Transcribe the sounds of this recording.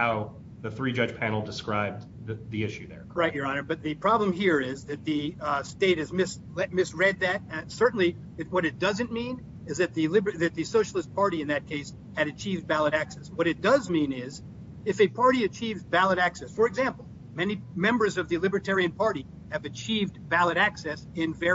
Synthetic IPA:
haʊ | ðɨθɹid͡ʒʌd͡ʒ̥pʰæ̃nl̩ˠdɨskɹaɪb̚ | ððiɪʃʉðə̰˞ɹaɪt̚jə˞ɑnə˞bʌt̪̚ðɨpʰɹ̥ɑblə̃mɦiɹɪzðɨt̪̚ðɨsteɪt̚hɨzmɪs | lɛt̚mɪsɹɛd̪̚ðɨt̚sɜ˞ʔn̩li | ɨwʌɾɨt̚d̥ʌzɨ̃nmĩn | ɨzðɨt̪̚ðɨlɪbəðɨt̪̚ðɨsoʊʃl̩ˠəs̚pʰɑɹɾiɨ̃nðɨt̚kʰeɪs | hɨɾɨt͡ʃʰivdbælˠəɾæksɛswʌɾɨt̚d̥ʌzmĩnɪz | ɨfɨpʰɑɹɾiɨt͡ʃʰivvælˠəɾæksɛsfə˞ɨɡzæ̃mpl̩ˠ | mɛnimɛ̃mbə˞zʌvðɨlɪbə˞tʰɛɹiɨ̃npʰɑɹɾi | ɨvɨt͡ʃʰivdvælˠəɾæksɛsɪ̃nvɛ

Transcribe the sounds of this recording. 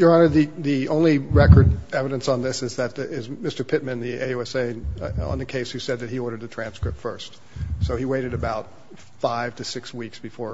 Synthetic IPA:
jə˞ʌ̃nəðiðiõʊ̃nliɹɛkə˞dɛvɨɾɨ̃nsn̩ðɪsɨzðɨt̪̚ɪzmɪstə˞pʰɪt̚mɨ̃nðieɪʉɛseɪə̰̃nðɨkʰeɪshʉsɛd̪̚ðɨt̚hiɔɾə˞d̪̚ðɨtʰɹ̥æ̃nskɹɪp̚tfɜ̰˞st | soʊiweɪɾɨɾɨbaʊt̚ | faɪv̥tʰɨsɪkswiksb̥ɨfɔɹ

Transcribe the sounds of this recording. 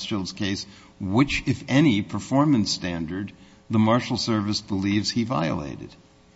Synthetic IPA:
stɪlˠdz̥kʰeɪs | wɪt͡ʃɨfɛnipʰə˞fɔɹmɨ̃nstæ̃ndə˞d̪̚ | ðəmɑɹʃl̩ˠsɜ˞vɨsb̥əlivz̥hiva̰ɪə̰lḛɪɾɨ̰d̥

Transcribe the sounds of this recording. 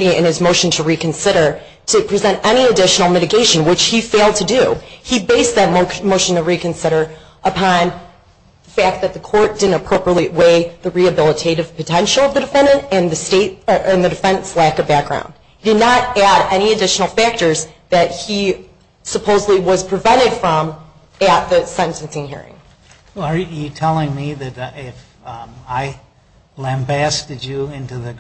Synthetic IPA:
ɾiɨ̰̃nɨzmoʊʃn̩tʰəɹikɨ̃n̩sɪɾə˞ | ɾɨpʰɹ̥izɛ̃ntɛñiɨdɪʃn̩l̩ˠmɪɾɨɡeɪʃɨ̃n̩wɨt͡ʃhifeɪlˠd̚tʰɨdʉibeɪsðɨt̚moʊʃn̩tʰəɹikɨ̃n̩sɪɾə˞ | ʔəpʰɑ̃n | ðəfæk̪̚ðɨt̪̚ðɨkʰɔɹt̚d̥ɪdⁿn̩təpʰɹ̥oʊpɹieɪʔ̚weɪðɨɹiɨbɪlˠətʰeɪɾɨv̥pʰɨtʰɛ̃nʃl̩ˠʌvðɨdɨfɛ̃nɨ̃ntɨ̃nðɨsteɪɾ̚ʔɨ̃nðɨdɨfɛ̃nnslækʌvbæk̚ɡ̥ɹã̰ʊ̃nd̚ | d̥ɨdⁿnəɾæɾɛñiɨdɪʃn̩l̩ˠfæk̚tə˞zðɨt̚hi | səpʰoʊzədˡliwʌz̥pʰɹ̥ɨvɛ̃ɾ̃ɨd̥fɹʌ̃m | ɨt̪̚ðɨsɛ̃ntɨ̃nsɪ̃ŋhḭɹɪ̰̃ŋ | ə˞jɨtʰɛlˠɪ̃ŋmiðɨɾɪf | aɪ | læ̃mbæstɨd͡ʒɨɪ̃ntʉðɨ

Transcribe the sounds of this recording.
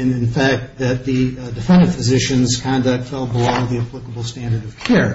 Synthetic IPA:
ɨ̃nɨ̃nfæk̚t̪̚ðɨt̪̚ðɨdɨfɛ̃ndɨ̃nfɨzɪʃɨ̃nz̥kʰɑ̃ndʌk̚tfɛlˠbəloʊðiɨpʰl̥ɪkəbl̩ˠstæ̃ndə˞ɾʌv̥kʰɛɹ

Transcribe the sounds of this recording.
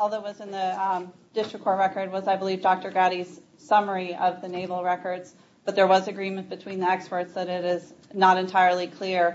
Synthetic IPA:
ɔlˠðət̚wʌzɨ̃nðɨ | d̥ɪstɹ̥ɨkʰːɔɹʔɹɛkə˞d̚wʌzaɪbəlivdɑk̚tə˞ɡɑɾiz̥ | sʌmə˞iʌvðɨneɪvl̩ˠɹɛkə˞dz̥ | b̥ʌt̪̚ðə˞wʌzɨɡɹĩmɨ̃nb̥ɨtʰw̥ĩnðiɛkspə˞tsðɨɾɪɾɪznəɾɨ̃ntʰaɪə˞lˠikʰl̥ɪɹ

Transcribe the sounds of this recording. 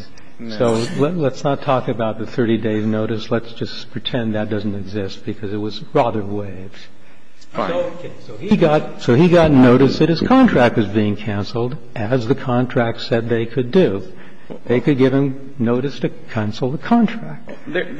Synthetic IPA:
soʊllətsnətʰɔkɨbaʊt̪̚ðɨθɜ˞ɾideɪznoʊɾɨslətsd̥ʒ̥ʌspʰɹ̥ɨtʰɛ̃nðɨt̚d̥ʌzn̩tɨɡzɪst̚b̥ɨkʰʌzɨt̚wʌzɹɑðə˞weɪv̥z̥ | oʊ | oɡɑt̚ | soʊiɡɑtⁿnoʊɾɨsðɨt̚ɨz̥kʰɑ̃ntʰɹ̥æk̚t̚wʌzbiɪ̃ŋkʰæ̃nsl̩ˠd | ʔɨzðɨkʰɑ̃ntʰɹ̥æk̚tsɛd̪̚ðeɪkʰɨdɨ | ðeɪkɨd̚ɡɪv̥ɨ̃m | noʊɾɨstʰɨkʰæ̃nsl̩ˠðəkʰɑ̃ntʰɹ̥æk̚t̚

